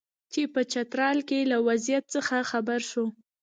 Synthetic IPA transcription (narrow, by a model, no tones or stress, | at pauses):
t͡ʃipət͡ʃat̪ɾɑlkelawazijat̪̚t͡səxaxabaɾʃo